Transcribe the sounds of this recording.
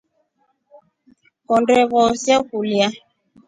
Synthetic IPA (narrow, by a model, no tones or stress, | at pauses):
kɔndɛɣɔsjakulja